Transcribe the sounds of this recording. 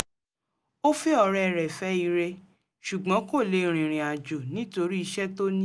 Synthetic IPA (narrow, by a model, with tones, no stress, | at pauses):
o˦fi˦ɔ˧ɾɛ˦˨ɾɛ˨fɛ˨˦i˧ɾe˧ | ʃu˨ɡ͡bɔ̃˨˦ko˦˨le˨˦ɾ̃ĩ˨ɾ̃ĩ˨a˨d͡ʒo˨nĩ˨˦to˧ɾi˦i˧ʃɛ˦to˦nĩ˦